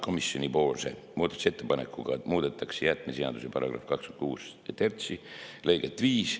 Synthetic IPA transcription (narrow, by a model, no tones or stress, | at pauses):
kʰo̞misjo̞nʲipo̞ːlse̞̰muːd̪ɑt̪use̞t̪ˑːepɑnekːuɡ̥ɑmuːd̪̥et̪ːˑɑksejæt̪ːˑmeseɑ̰d̪usepɑɾɑ̰ɡ̥rɑ̰fkɑkskynt̪̚kuːst̪ert̪sile̞jɡ̥et̪ːˑviːs